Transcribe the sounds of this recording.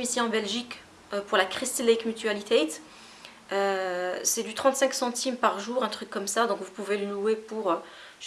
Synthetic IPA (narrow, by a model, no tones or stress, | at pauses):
misiɑ̃bɛlʒik | øpuʁlakχist̪leikmyt̪ɥalit̪ʰet̪ | øsɛd̪yt̪χɑ̃t̪sɛ̃ksɑ̃t̪ʰimpaʁʒuːʁɛ̃t̪χykːɔmsad̪ɔ̃kvupuveləluepuʁø | ʒ